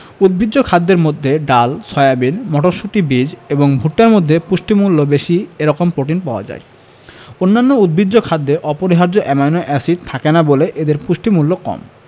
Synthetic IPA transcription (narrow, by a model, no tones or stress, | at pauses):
ud̪̚bʱid̪ːokʰad̪ːeɾmod̪ʱːeɖalsɔeabinmɔʈoʃuʈibid͡ʑeboŋbʱuʈːaɾmod̪ʱːepuʃʈimulːobeʃieɾɔkompɾoʈinpaoa̰d͡ʑa̰e | onːanːoud̪̚bʱid̪ːokʰad̪ːeʔɔpoɾiɦaɾd͡ʑoʔɛmajnoʔɛsit̪ʰakenaboleʔed̪eɾpuʃʈimulːokɔ̰m